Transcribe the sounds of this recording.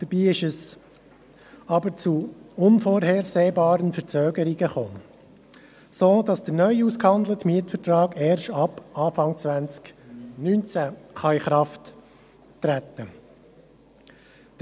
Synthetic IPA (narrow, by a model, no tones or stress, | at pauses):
d̪̥əb̥iːɪʃəs | ɑbəɾt͡suʊnfoɾɦɛɾseːbɑːɾənfəɾt͡søːɡəɾiɡəχoː | soːd̥ɑsd̥əɾnœʏuskhɑnd̪lətmiətfətɾɑːɡɛːɾʃtɑpɑːfɑŋt͡sʋænt͡sknynt͡sæχɑiχɾɑftː | ɾæt̪ːə